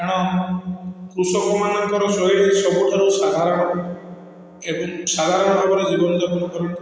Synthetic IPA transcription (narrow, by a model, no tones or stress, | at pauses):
eɽ̃ɔ | kɾusɔkumanɔmp̪ɔɾɔsoɦiɽesɔbuʈʰaɾuwsad̪ʱaɾɔɽ̃ɔ | ebɔŋsad̪ʱaɾɔɳɔnɔbɔɾed͡ʒibɔnɔd͡ʒabɔnɔkɔɾɔn